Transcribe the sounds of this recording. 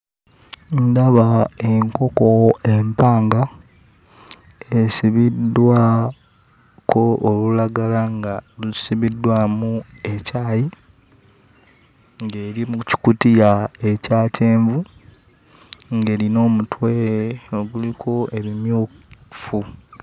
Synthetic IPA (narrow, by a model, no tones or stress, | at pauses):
ndaβae̞ŋko̞koempaːŋɡa | esiβidːwa | kʰo̞ːlulaɡalaŋɡalusiβidːwamu | e̞caːji | ŋɡeːɾimuci̥kutijae̞caːce̞ːɱvu | ŋɡe̞ːɾino̞ːmutwe̞ɾeoɡulikʰo̞ʔe̞βimjuːfu